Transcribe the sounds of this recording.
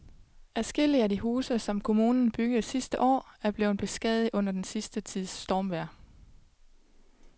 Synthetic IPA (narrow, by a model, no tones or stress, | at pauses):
æsɡ̥e̝l̰iædiɦuːsəsɒ̽mkʰo̝muːnn̩b̥yɡ̥ð̩ˠsisd̥əʔɒ̰ːæɐb̥le̝ːʊn̩b̥e̝sɡ̥ɛðˠð̩ˠɔ̽n̰ɐd̥ensisd̥ət͡sʰið̞̰ˠsd̥ɒːmʋæɐ̰